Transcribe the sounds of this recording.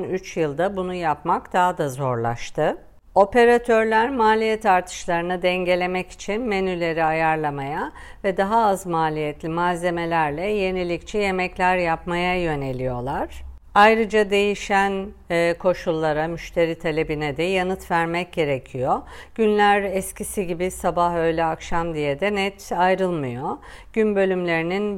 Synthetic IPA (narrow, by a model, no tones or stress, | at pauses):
nyt͡ʃjɯlˠd̪abunujapmakd̪̥aɦad̪azo̞ɾlˠa̰ʃt̪ʰɯ | o̞pe̞ɾat̪ʰø̞ɾlʲæɾmaːlʲijɛt̪aɾt̪ʰɯ̥ʃlˠaɾɯnɯd̪ɛɲɟe̞lʲe̞mɛci̥t͡ʃʰinme̞nylʲe̞ɾiajaɾlˠamajavɛd̪aɦaːzmaːlʲijɛt̪lʲimaze̞me̞lʲæɾlʲɛje̞nilʲict͡ʃʰɛje̞mɛclʲæɾjapmajajø̞ne̞lʲijo̞lˠaɾ̥ | ajɾɯd͡ʒad̪e̞jiʃænː | kʰo̞ʃulˠːaɾamyʃt̪ʰe̞ɾit̪ʰalʲe̞binɛd̪ɛjanɯt̪væɾmɛc̚ɟ̥e̞ɾecʰijo̞ɟ̥ynlʲæɾɛscʰisiɟibisabaɦø̞jlʲɛakʃamd̪ijɛd̪ɛnɛt̪ʰajɾɯlˠmɯjo̞ɟ̥ynbø̞lʲymlʲe̞ɾinin